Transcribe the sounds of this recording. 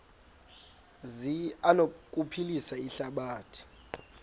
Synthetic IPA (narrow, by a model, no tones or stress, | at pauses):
zianokʼupʰilisaiɬaɓaːtʰi̥